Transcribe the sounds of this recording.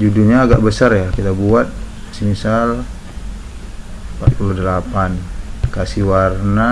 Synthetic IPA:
d͡ʒuduɲaːɡaʔbəsarjakit̪abuat̪̚simisal | pa̰t̪̚puludəlapankasiwarna

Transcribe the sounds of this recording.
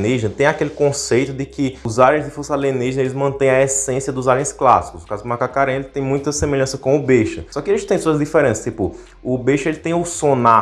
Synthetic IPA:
niʒinɐt̪ẽj̃akelɪkõsejt̪ʊd̪ɪkɪʊzaɾẽj̃zd̪ɪfusalẽniʒinɐelɪzmɐ̃t̪ẽj̃ɐɛsẽsiɐd̪ʊzaɾẽj̃skla̰si̥kʊznʊkazʊd̪makakaɾẽelɪt̪ẽj̃mũj̃t̪ɐsemeʎɐ̃sɐkõw̃ʊbeʃɐsɔkɪelɪʃt̪ẽj̃suɐzd̪ifɛɾẽnsɐst̪ipʊ̰ | ʊbeʃʊelɪt̪ẽj̃ʊsõna

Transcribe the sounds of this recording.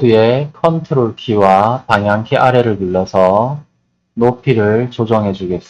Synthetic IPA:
due̞kʰʌntʰɯɾoɭkʰiwapaŋɦjaŋkʰeʔaɾe̞ɾɯɭtuɭːʌsʰʌ | nopʰiɾɯɭt͡ɕod͡ʑʌŋɦe̞d͡ʑuɡe̞s͈

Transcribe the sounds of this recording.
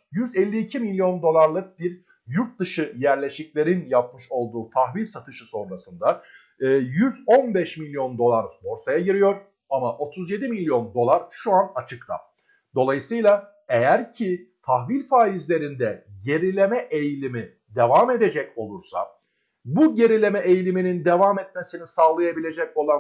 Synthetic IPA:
jyzɛlʲːiːcʰimilʲjo̞nd̪o̞lˠaɾlˠɯk̚biɾ | juɾt̪̚d̪ɯʃɯjæɾlʲe̞ʃiclʲe̞ɾinjap̚mɯʃo̞lˠd̪uːt̪ʰaxvilʲsat̪ʰɯʃɯso̞nɾasɯnd̪a | ɯːjyzo̞nbɛʃmilʲjo̞nd̪o̞lˠaɾmoɾsajaɟiɾijo̞ɾ̥ | amaʔo̞t̪ʰuzje̞d̪imilʲjo̞nd̪o̞lˠaɾʃuanat͡ʃʰɯkt̪ʰa̰ | d̪̥o̞lˠajɯsɯjlˠa | e̞jæɾcʰit̪ʰaxvilʲfaːizlʲe̞ɾind̪ɛɟe̞ɾilʲe̞mɛʔejlʲimi | d̪e̞vame̞d̪e̞d͡ʒɛco̞lˠuɾsa̰ | buɟe̞ɾilʲe̞mɛʔejlʲiminind̪e̞vamɛt̪̚me̞sinisaːlˠajabilʲe̞d͡ʒɛco̞lˠan

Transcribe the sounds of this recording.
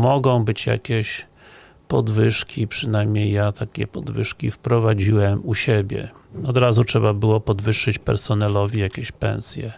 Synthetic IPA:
mɔɡɔ̃w̃bɘt͡ɕja̰kʲeɕ | pɔd̪vɘʂkʲipʂɘnajmɲejːat̪ʰakʲɛ̰pɔd̪vɘʂkʲifpɾɔvad͡ʑiwɛmuɕebʲjɛ̰ɔd̪ɾazutʂɛbabɘwɔpɔd̪vɘʂːɘt͡ɕpɛ̰ɾsɔnɛlɔvʲijakʲɛɕpɛ̰ñsʲjɛ

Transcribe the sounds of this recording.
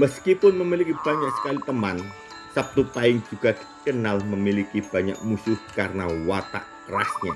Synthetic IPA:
məskipʊnməmilikib̥a̤ɲaksə̥kalit̪əman | sap̚t̪upaɪŋd͡ʒuɡ̥ad̥i̥kənalməmilikib̥a̤ɲa̰k̚musʊhkarənawat̪a̰ʔkərasɲa

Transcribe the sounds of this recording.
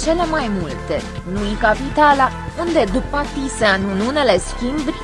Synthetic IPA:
t͡ʃe̞le̞majmult̪e̞ | nuikapit̪ala | und̪e̞d̪upːakt̪iseanunune̞le̞skʲimbrʲ

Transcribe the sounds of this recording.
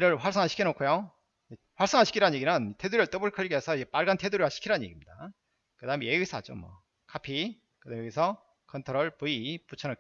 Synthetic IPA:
iɾɯɭɸwaɭs͈ʌŋɦaɕʰi̥kʰienokʰujo | eɸwaɭs͈ʌŋaɕʰikʰiɾanɲje̞ɡinɯntʰe̞duɾiɯɭt͈ɯbɯɭkʰɯɭiɡiesʰʌid͡ʑep͈aɭɡantʰeduɾiɦaɕʰi̥kʰiɾanɯnɲjeɡimɲida | kɯdaɯmejeɡwisʰa̰d͡ʑo̰mwʌ̰ | kapʰi | kɯdamejʌɡisʰʌ | kʰʌntʰoɾʌɭpuiput͡ɕʰʌnʌk

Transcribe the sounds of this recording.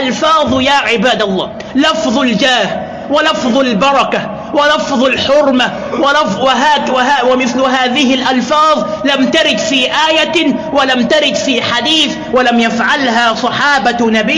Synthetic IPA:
ʔalfɑːðˤjaːʕɪbaːd̪alˤːɑ̰ː | lɑfðˤald͡ʒaːh | wɪlɑfðˤalbɑɾˤɑka | wɪlɑfðˤalħʊɾma | wɪlɑwɪɦaːwɪhawɪmɪθlʊɦaːðɪhɪlʔɑlfɑːðˤ | lamt̪aɾɪd̪fiːʔaːjawalamt̪aɾɪd̪fiːħad̪iːθ | walamjafʕalɦasˤɑħɑːbanabiː

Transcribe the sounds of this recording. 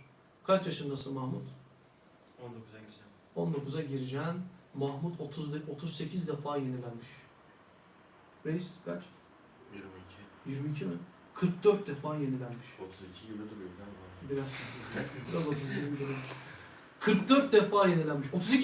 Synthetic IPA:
kʰat͡ʃjaʃɯnd̪asɯmahmut̪ | ond̪okuz | o̞nd̪o̞kʰuzaɟiɾid͡ʒɛːnmahmut̪ʰo̞t̪ʰuzo̞t̪ʰuzse̞cʰizd̪ɛfaːje̞nilʲænmiʃ | ɾejiskʰat͡ʃ | jiɾmicʰijiɾmiːcʰibi | kʰɯɾk̚d̪øɾt̪̚d̪efaːje̞nilʲænmiʃot̪ʰuzicʰijilɛd̪uɾjnd̪ænbabiɾazbiɾaot̪ʰuziilmid̪uɾi | kʰɯɾk̚d̪øɾt̪̚d̪efaːje̞nilʲænmiʃo̞t̪ʰuzi

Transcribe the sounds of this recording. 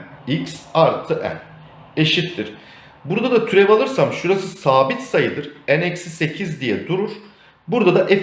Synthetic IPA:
icsaɾt̪ʰɯʔæ̰n | e̞ʃit̪ːiɾ̥ | buɾd̪ad̪at̪ʰyɾɛvalˠɯɾsamʃuɾasɯsaːbit̪sajɯd̪ɯɾænɛcsisecʰizd̪ijɛd̪uɾuɾ̥ | buɾd̪ad̪aʔɛ

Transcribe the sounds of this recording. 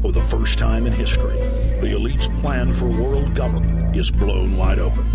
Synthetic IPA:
fə˞ðəfɜ˞stʰãɪ̃mɨ̃nɦɪstɹ̥ḭ | ðiɨ̰litspʰl̥æ̃nfə˞wɜ˞lˠd̚ɡʌvə˞mɨ̃n | ɪzblõ̰ʊ̃nwaɪɾoʊpə̃n

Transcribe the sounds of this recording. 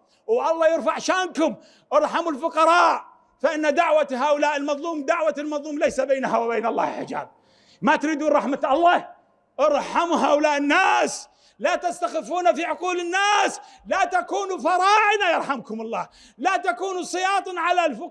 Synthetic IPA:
wʔɑlˤːɑːjɪɾfaʕʃaːmkʊm | ʔɑɾˤħamʊlfʊqɑɾˤɑːʔ | faʔɪnːad̪aʕwahaːʔʊlaːʔɪlmɑðˤluːmd̪aʕwalmɑðˤluːmlajsabeːnahawɪbeːnɑlˤːɑ̰ːhɪlħɪ̰d͡ʒa̰ːb̚ | mat̪ɾiːd̪uːnɾˤɑħmat̪ʔɑlˤːɑː | ʔɑɾˤħamuɦaːʔʊlaːʔɪnːaːs | lat̪ast̪axɪfːuːnafiʕʊquːlɪnːaːs | lat̪akuːnufɑɾˤɑːʕɪnajɑɾˤħamkʊmɑlˤːɑ̰ː | lat̪akuːnusˤɨjɑːt̪ˤɨnʕalalfʊ

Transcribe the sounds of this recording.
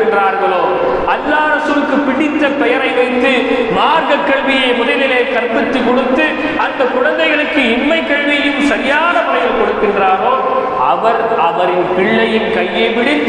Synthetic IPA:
ndraːɾɣɐɭoː | ɐlːaːɐɾɐsɯɾɯkːɯpɪɽɪt̪ːɐpːɛjɐɾɐɪʋɐɪt̪ːɯmaːɾɣɐkːɐɭʋɪjɐɪmʊðɐlɪleːkɐɾpɪt̪ːɯkɔɽɯt̪ːɯ | ɐnd̪ɐkːʊɻɐnd̪ɐɪɣɐɭɯkːɯɪnmɐɪkːɐɭʋɪjɯmsɐɾɪjaːnɐmʊɾɐjɐlkɔɽɯkːɪndraːɾoː | ɐ̰ʋɐɾɐʋɐɾɪnpɪɭːɐjɪnkɐjːeːʋɪɽɪt̪ː

